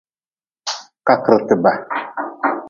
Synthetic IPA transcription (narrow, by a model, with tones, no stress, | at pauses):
ka˦kə˨ɾtɨ˨ba˨